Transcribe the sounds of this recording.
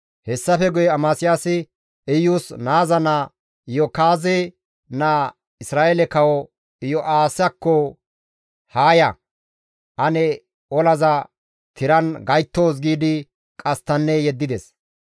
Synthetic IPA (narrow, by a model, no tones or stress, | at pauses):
hɛsːɐfɛɡʊjɛɐmaːsɪjaːsɪ | ɪjːuːsnaːzɐnɐ | jɔkaːze | na | ɪsɾaːʔeɛlɛkɐwɔ | ɪjɔʔaːsɐkːɔ | haːjɐ | ʔɐnɛ | ɔlɐzɐ | t̪ʰɪɾɐnɡɐjt̪ːoːs̬ɡiːd̪ɪ | kʼɐst̪ːɐnːɛjɛd̪ːɪd̪ɛs